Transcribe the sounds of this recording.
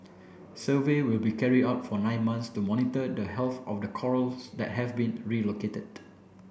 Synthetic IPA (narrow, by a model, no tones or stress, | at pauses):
səvewilbikʰɛɹidaʊtfɔnãɪ̃nmãnstumɔnitədəɦɛlθɔfdəkʰɔɹəlsdɛ̰t̚ɦɛvbĩnɹiloketəd̥